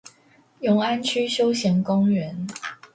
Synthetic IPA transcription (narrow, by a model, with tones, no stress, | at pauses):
jʊ˨˧˥ŋa˥nt͡ɕʰy˥ɕjo˥ʊɕjɛ˨˥nkʊ˥ŋɥə˨˦n